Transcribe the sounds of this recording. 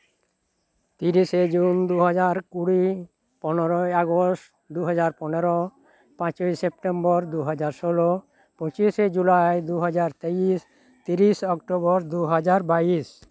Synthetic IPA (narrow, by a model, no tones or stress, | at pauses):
t̪iɾiʃed͡ʑund̪uɦad͡ʑaɾkuɽi | pɔnoɾoaɡosʈ | d̪uɦad͡ʑaɾpɔneɾo | pãt͡ɕojsep̚ʈembɔɾd̪uɦad͡ʑaɾʃolo | põt͡ɕiʃed͡ʑulajd̪uɦad͡ʑaɾt̪eis | t̪iɾiʃɔkʈobɔɾd̪uɦad͡ʑaɾbaiʃ